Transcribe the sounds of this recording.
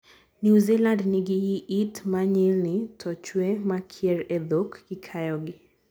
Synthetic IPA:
njuzilandniɡiiʔitmaɲɛlnitʰɔt͡ʃwɛmakʰiɛɾɛðɔkːikʰajɔɡi

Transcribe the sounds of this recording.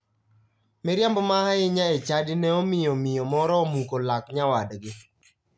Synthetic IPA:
mɪɾjambmaɦaɪɲaet͡ʃadinɛɔmɪjɔmɪjɔmɔɾɔmukolakɲawadɡɪ

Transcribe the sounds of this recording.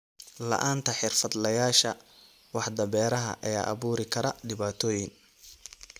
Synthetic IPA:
lɐ̰ʔaːnt̪ʰɐħɪrfɐd̪lɐjaːʃɐ | wɑħd̪ɐβɛːɾɐɦɐ̰ʔɐja̰ːʔɐβuːɾɪkʰɐɾɐɖɪβaːt̪ʰɔːjɪŋ

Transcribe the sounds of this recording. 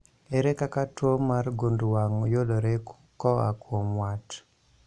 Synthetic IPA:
ɛɾekakatwomarɡondwaŋojoloɾek | kɔa̰kwomwat

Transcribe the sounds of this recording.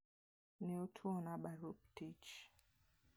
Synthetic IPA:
niutʰuɔnaɓaɾup̚tit͡ʃ

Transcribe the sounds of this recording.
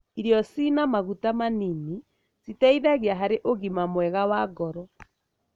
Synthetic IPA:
iɾjɔsinamaɣutamanini | sitɛiðaɣeaɦaɾeʔoɣimamwɛɣawaɡɔɾɔ

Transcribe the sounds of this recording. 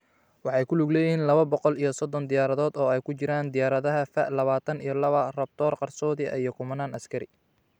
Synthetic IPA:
wɑħɑjkʰʊlʊɡlɛːjɪɦiːnlɐβɐbɔqɔlijɞsɔd̪ɔnd̪ɪjaːɾɐðɔːd̪ɔːɛjkʰʊt͡ʃɪɾaːnd̪ɪjaːɾɐðɐɦɐfɐʔlɐβaːt̪ʰɐnijɞlɐβɐrɐb̚t̪ʰɔːrqɑrsɔːðɪɐijɔkʰʊmɐnaːnɐskʰɐɾɪ

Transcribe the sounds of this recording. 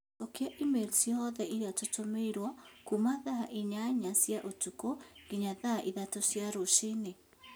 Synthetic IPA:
okjaʔimelsijɔðɛʔiɾiatotomeiɾwakumaðaʔiɲaɲasjaʔotukoɡ̥iɲaðaʔiðatosjaɾoʃene

